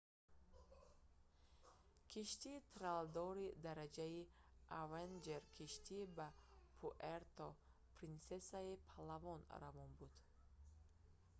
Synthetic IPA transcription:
kʰiʃt̪iːt̪ʰɾald̪ɔɾid̪aɾad͡ʒaiʔavend͡ʒeɾkʰiʃt̪ʰibapʰuʔeɾt̪ʰɔ | pʰɾinsesaipʰalavɔnɾavɔnbud̪̥

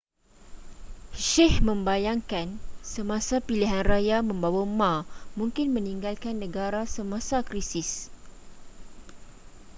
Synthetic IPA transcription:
ʃɛhmə̃mbajaŋkansəmãsapiliɦanrajamə̃mbawamãmũŋkɪnmə̃niŋɡalkanːə̃ɡaɾasəmãsakɾisɪs

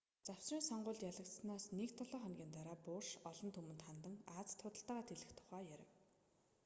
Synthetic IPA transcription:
t͡saw̥sriːnsɔɴɢʊːɮt̪jaɮə̆kt̪snaːsnekt̪ʰɔɮɔːχɔnɡʲiːnt̪aɾaːpʊːrʃɔɮɞ̆nt̪ʰɵmɘ̆nt̪χant̪ə̆ŋaːt͡st̪ʰːʊt̪ə̆ɬt̪aːʁaːt̪ʰeɮɘ̆xt̪ʰʊ̥χæːjæɾʲɪ̆w

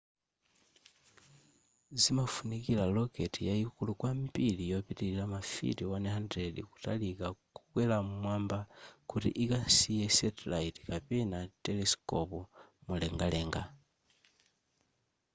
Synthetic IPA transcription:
zimafunikilaloketijajikulukwampilijopitililamafḭtiwanehandɾeliku̥talikakukwelamumwaːmbakuɾḭʔikasijesetlaiti̥kapenatelesi̥kopomuleŋɡaleŋɡa

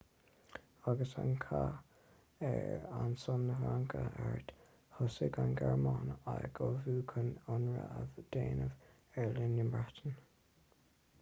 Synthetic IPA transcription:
aɡəsankʰa | ɛɹansʊnːəɦaŋkʰəɛɹt̪ | hʊsəɡanɡɛɹmɑːnaɡoːvuːkʰənʊnɹə̰avd̪̥eːnəv | ɛɹlənɪmbɹat̪ʰən

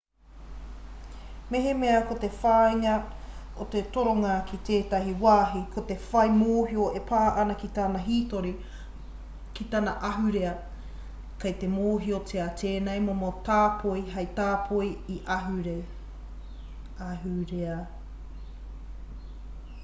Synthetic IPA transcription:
meɦemeɐkot̪efaːiŋɐot̪etoɾoŋɐkʰit̪eːtɐɦiwaːɦikʰot̪efɐjmoːɦioepʰaːʔɐnɐkit̪anɐɦitoɾi | kit̪ɐnɐʔɐɦʉɾeɐ | kɐjt̪emoːɦiotʰeɐtʰeːnejmomot̪aːpʰoiɦɐjt̪aːpʰoiiʔɐɦʉɾe | ɐɦʉɾeɐ

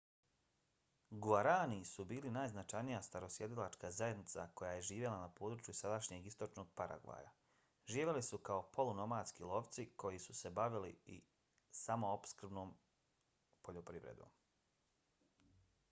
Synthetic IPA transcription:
ɡuaɾaːnisubiːlinaːjznat͡ʃajnijast̪aɾo̞sje̞d̪ilˠat͡ʃkazaje̞d̪nit̪sa̰ko̞jaːje̞ʒiːʋje̞lˠanapo̞ːd̪ɾut͡ʃjusad̪aʃɲe̞ɡist̪o̞t͡ʃno̞ɡ̚paɾʔa̰ɡʋa̰ːja̰ | ʒiːʋʲe̞lisukao̞po̞luno̞maːd̪skilˠo̞ʋt̪siko̞jisu̥se̞baʋilḭḭ | samo̞opskr̩bno̞ːm | poʎo̞pɾiʋɾḛd̪o̞̰ːm

